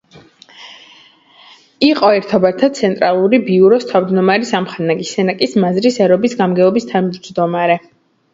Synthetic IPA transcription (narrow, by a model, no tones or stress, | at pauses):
iqʼɔɛɾt̪ʰɔbɛɾt̪ʰad̪̚t̪sʰɛnt̪ʼɾalˠuɾibiuɾɔst̪ʰavd͡ʒ̪nɔmaɾisamχanaɡisɛnakʼismazɾisɛɾɔbisɡamɡɛɔbist̪ʰad͡ʒd͡ʒd̪ɔmaɾɛ